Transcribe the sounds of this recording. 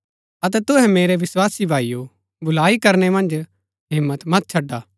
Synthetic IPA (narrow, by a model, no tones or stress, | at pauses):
ɐt̪̬ɛt̪ʊɦɛ̃meːɾeʋɪswaːsibʱaːijo | bʊlaːikɐɾnɛmɐ̃nd͡ʒ | ɦɪ̃mːət̪mɐt̪̚t͡ʃʰɐɖːaː